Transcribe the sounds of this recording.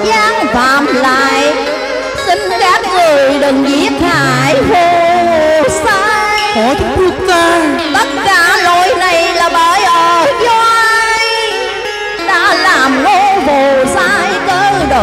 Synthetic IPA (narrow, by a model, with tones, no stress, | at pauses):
ɲaː˧˦ŋvaː˨˩mlaː˧˨j | sï˧ŋ̟ka˦˥t̚zə˨˩əjɗɨ˨˩ŋʔi˦˥əp̚haː˧˨˩jho˧ | saː˧jkɔ˧˨˩ku˦ka˧ | t̪ə˦˥t̚kaː˧˦lo˧˨˩jna˨˩jlaː˨˩ɓəː˧˩˦jʔəː˨˩zɔ˧ʔaː˧j | ɗa̰ː˧˥laː˨˩mno˧˦vo˨˩saː˧jkəː˧ɗo˨˩